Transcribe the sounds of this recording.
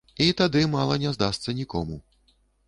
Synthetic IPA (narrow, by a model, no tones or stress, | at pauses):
it̪ad̪ɨmalˠɐnʲɛzd̪ast̪sɐnʲikɔ̰mu